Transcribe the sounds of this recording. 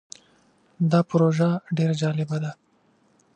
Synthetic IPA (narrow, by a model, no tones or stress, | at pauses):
d̪ɑpʊɾoʒaɖeɾad͡ʒɑlɪbad̪a